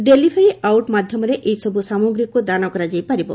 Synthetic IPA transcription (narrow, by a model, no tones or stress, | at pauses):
ɖelibʱeɾiʔawʈmad̪ʱjɔmɔɾeʔejsɔbʱusamoɡɾikud̪anɔkɔɾad͡ʒajpaɾibɔ̰